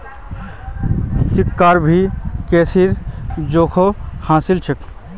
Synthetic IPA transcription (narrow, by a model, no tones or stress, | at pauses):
sikːaɾbʱikeːsiɾd͡ʒoːkʰohãːsilt͡ʃʰek